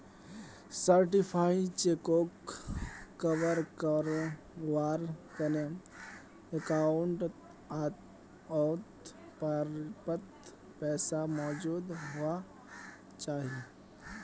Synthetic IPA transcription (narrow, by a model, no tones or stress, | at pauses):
səɾʈɪpʰaːit͡ʃekoːkː | əʋəɾkəɾ | ʋaːɾkəne | əkaːʊɳʈ | at̪ | ɔt̪ | pəɾpət̪ | pɛːsamɔːd͡ʒuːd̪ɦʊa | t͡ʃaːɦie